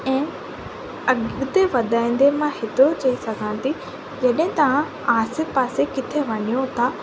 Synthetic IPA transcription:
ɛ̃ː | ɐɡd̪eʋɐd̪aːĩnd̪emãhɪt̪ot͡ɕɐisɐɡʱãnt̪i | d͡ʑɐɗɦɪ̃t̪ɐʋ̤ã | aːsepaːsekɪt̪ʰeʋɐɲijõt̪ʰa

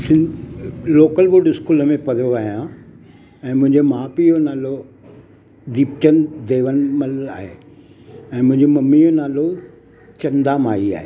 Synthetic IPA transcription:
sɪ̃n | loːkəlboɖɪskuːləmẽpɐɾjoʋaːɦijã | ɛ̃ːmʊ̃ɦɪ̃ɲd͡ʑemaːpionaːlo | d̪iːpt͡ɕənd̪eːʋənməlaːɦeː | ɛ̃ːmʊ̃ɦɪ̃ɲd͡ʑomɐmːijonaːlo | t͡ɕɐ̃nd̪amaːia̰ːɦe

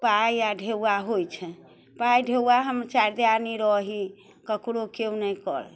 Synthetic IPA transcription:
pajaɖʱeaɦojt͡ʃʰɛ | pajɖʱewaɦəməɾt͡ʃaɾd̪aniɾɔɦi | kəkɽokeunɛkɔ̰ɾ

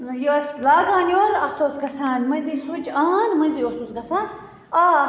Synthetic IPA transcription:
joslaːɡaːnʲjoːɾɐt̪ʰoːsɡɐsãːnmɐzisud͡ʒaːnmɐziosuzɡɐsaːn | aː

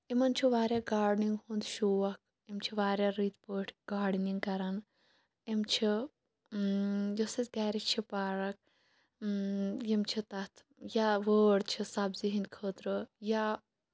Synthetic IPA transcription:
imɐnt͡ʃʰiʋaːɾʲjaːɡaːɖniŋɡhund̪ʃuːʋɐk̚ʰ | imt͡ʃʰiʋaːɾʲjaːɾit̪ʰpəːʈʰɡaːɖniŋɡkɐɾɐn | imt͡ʃʰi | josɐt̪ɡaːɾit͡ʃʰipaːɾɐk̚ | jimt͡ʃʰit̪ɐt̪ʰ | jaʋəːɽt͡ʃʰisɐbziɦinʲkʰəːt̪ɾəja

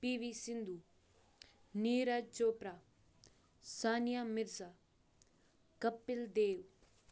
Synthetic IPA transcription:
piːʋisɪnd̪u | niːɾad͡ʒoːpɾa | saːnijamɪɾsa | kɐpːɪld̪eːʋ

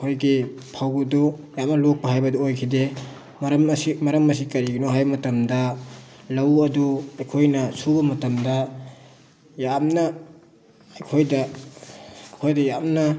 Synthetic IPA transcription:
kʰojɡipʰawɡudujamnɐlok̚pɐɦajbɐduojkʰide | mɐɾɐmsimɐɾɐmɐs̬ikɐɾiɡinoɦajbɐmɐtɐmdɐ | lɐwɐduɐjkʰojnɐsubɐmɐtɐmdɐ | jamnɐː | jkʰojdɐ | kʰojdɐjamnɐ

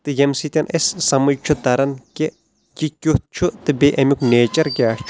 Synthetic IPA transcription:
t̪ɨjemsit̪ʲɐnʔessɐmɨd͡ʒt͡ʃʰut̪ɐɾɐnke | kʲikʲuht̪̚t͡ʃʰut̪ɨbeʔɐmʲukneːt͡ʃɐɾɡʲaːʂt͡ʃʰ

